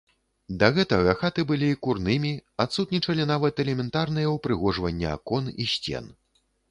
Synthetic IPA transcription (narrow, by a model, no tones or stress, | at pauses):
d̪ɐɣɛt̪ɐɣɐxat̪ɨbɨlʲiːkurnɨmʲiat̪sut̪nʲit͡ʂɐlʲinavɐt̪ɛlʲɛmʲɛnt̪arnɨjɐwpɾɨɣɔʐvɐnʲːɛa̰kɔnḭɕʲt͡sʲɛ̰n